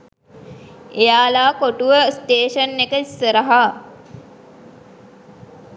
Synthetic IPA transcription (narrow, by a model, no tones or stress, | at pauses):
ejaːlaːkoʈuʋəsʈ̪eːʃənːekəisːəɾəɦa